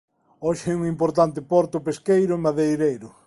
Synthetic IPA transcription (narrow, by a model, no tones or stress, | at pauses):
ɔʃɪɛuŋimpoɾt̪ant̪ɪpɔɾt̪ʊpeskejɾʊmaðejɾejɾʊ